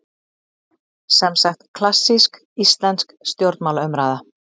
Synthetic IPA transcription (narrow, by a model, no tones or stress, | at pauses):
sɛmsaxt̪kʰlasːisk | ist̪lɛnskst̪jowɾt̪nmaːlœmɾaːða